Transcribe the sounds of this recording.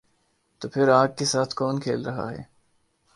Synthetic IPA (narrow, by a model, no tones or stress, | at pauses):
t̪oːpʰɪɾaːɡ̚kesaːt̪ʰkɔːnkʰeːlɾɐɦa̰ɦɛ̰ː